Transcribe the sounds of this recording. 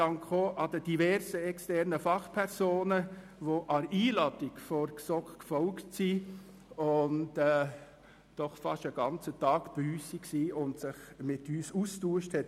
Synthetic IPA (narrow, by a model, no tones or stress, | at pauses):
ɑŋkχoːʔɑdəd̥ivɛɾsəɛkstɛɾnəfɑχpʰɛɾsoːnə | ʋoʔɑɾiːlɑtɪkfɔɾksɔkkfɔlktsi | ʊntɛː | d̥ɔχfɑʃəɡ̥ɑnt͡sətɑːkb̥yːsiksiːʊntsɪχmɪtyːsustuːəʃthɛt